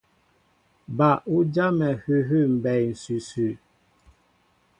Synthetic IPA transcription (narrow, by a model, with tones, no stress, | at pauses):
ba˨ʔu˦d͡ʒa˦mɛ˨hʉ˦ɦʉ˦˨m̩˨bɛ˨jn̩˨sʉ˨sʉ˨